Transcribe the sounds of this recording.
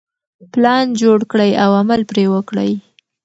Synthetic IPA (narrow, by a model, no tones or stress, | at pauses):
plɑnd͡ʒoɽkɽəjawaməlpɾewəkɽə̰j